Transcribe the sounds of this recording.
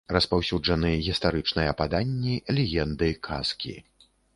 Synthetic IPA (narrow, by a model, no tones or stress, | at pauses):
rɐspawsʲud͡ʐɐnɨɣʲist̪aɾɨt͡ʂnɐjɐpad̪anʲːilʲɛɣʲɛnd̪ɨkʰa̰skʲḭ